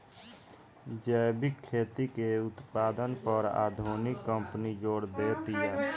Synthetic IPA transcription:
d͡ʒəbɪkʰːeːt̪ikeʊt̪paːd̪ənpəɾa̰ːd̪ʱunɪkːə̃mpnid͡ʒoːɽd̪eːt̪iɛː

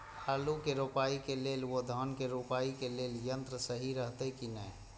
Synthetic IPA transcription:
kʰalukeɾopaikelelod̪ʱənkeɾupaikeleljənt̪ɾəsəɦiɾəɦt̪ɛkinəj

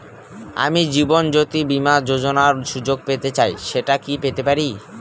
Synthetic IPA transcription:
a̰mid͡ʑibond͡ʑot̪ibimad͡ʑod͡ʑonaɾʃud͡ʑoɡ̚pet̪et͡ɕajʃeʈakipet̪epaɾi

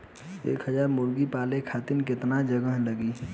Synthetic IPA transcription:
ḛkɦəd͡ʒaɾmuɾɡipalekʰat̪inket̪nad͡ʒəɡəɦləɡi

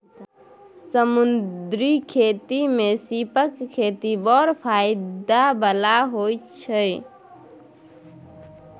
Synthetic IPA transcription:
səmund̪ɾikʰet̪imesipəkʰːet̪ibɔɾpʰajɪd̪abəlaɦojt͡ʃʰəj

